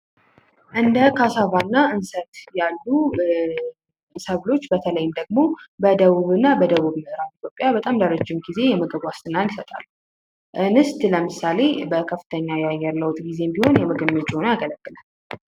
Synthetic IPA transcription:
ʔɨnd̪əkʰasavanːaʔɨnsət̪jalːu | səβlo̞t͡ʃːbət̪ʰələjːɪmd̪əɡmo̞bəd̪əwuβɨnːabəd̪əβuβmɨhɨɾafit̪jo̞pʼːjabət̪ʼamləɾəd͡ʒːɪmɡize̞jɛməɡəɡʷast̪ʰʼɨnːalisət̪ʼa̰lːu | ʔɨnɨst̪ʼləmɨsale̞bəkʰəfːɨt̪ʰəɲːajɛajːɛɾləwt̪ʼɡize̞mbiho̞njɛməɡəmːəd͡ʒʼonojaɡələkʼːɨlal

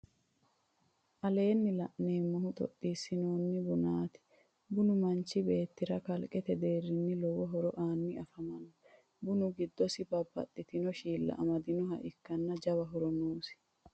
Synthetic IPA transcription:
ʔɐle̞ːnːɪlɐʔne̞ːmːʊhʊt̪ʼɔ̰t̪ʼːiːsːɪnoːnːɪbʊnaːt̪ɪ̥ | bʊnʊmɐnt͡ʃːɪbe̞ːt̪ːɪɾɐkɐlkʼɛt̪ɛd̪e̞ːrːɪnːɪlɔwɔɦɔɾɔʔaːnːɪɐfɐmɐnɔ | bʊnʊɡɪd̪ːɔsɪbɐbːɐ̰t̪ʼːɪt̪ɪnɔʃiːlːɐ̰ʔɐmɐd̪ɪnɔɦɐ̰ʔɪkːɐnːɐd͡ʒɐbɐɦɔɾɔnuːsɪ̥

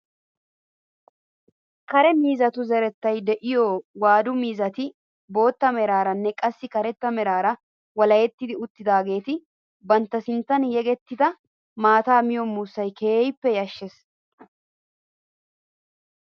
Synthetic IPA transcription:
kɐɾɛmiːzɐt̪ʊzɛɾɛt̪ːɐjd̪ɛʔɪjoːwaːd̪ʊmiːzɐt̪ɪ | bo̞ːt̪ːɐmɛɾaːɾɐnːɛkʼɐsːɪkɐɾɛt̪ːɐmɛɾaːɾɐ | wɐlɐjɛt̪ːɪd̪ɪʊt̪ːɪd̪aːɡe̞ːt̪ɪ | bɐnt̪ːɐsɪnt̪ːɐnjɛɡɛt̪ːɪd̪ɐ | maːt̪aːmɪjɔmːuːsːɐjkeːjɪpːɛjɐʃːes

